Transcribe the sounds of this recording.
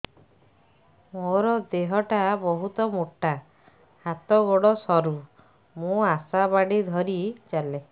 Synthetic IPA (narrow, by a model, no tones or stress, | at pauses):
moɾɔd̪eɦɔʈabɔɦut̪ɔmuʈːa | hat̪ɔɡoɽɔsɔɾu | mũasabaɽid̪ʱɔɾit͡ʃale